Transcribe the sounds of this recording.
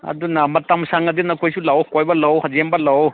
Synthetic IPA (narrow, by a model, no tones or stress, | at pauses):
ɐ̰dunamɐtamsaŋɐdinɐkʰojsulawkojbɐlawhɐzembɐlaw